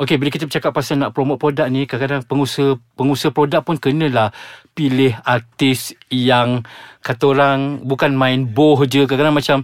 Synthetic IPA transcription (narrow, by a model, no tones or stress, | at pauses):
ʔokebiləkit̪əbət͡ʃakap̚pːasanaʔpɾomot̪̚pɾodak̚nikəkadaŋpəŋusəhpəŋusəhpɾodak̚pʊnkənə̃lahpilɪɦat̪ɪsjaŋkat̪oɾaŋbukanmãɪnbɔɦd͡ʒəkəkadaŋmat͡ʃam